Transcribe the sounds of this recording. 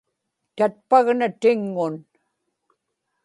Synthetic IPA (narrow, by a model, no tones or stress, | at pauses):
t̪at̪̚paɣnat̪ɪŋːʊn